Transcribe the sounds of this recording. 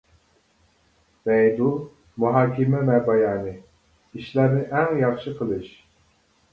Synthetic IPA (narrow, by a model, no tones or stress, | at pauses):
mɛjd̪ul | muɦɑːkʲimɛmɛbɑjɑːnɨ | iʃlæɾnɪʔɛŋjɑχʃɨqʰəlˠɨʃ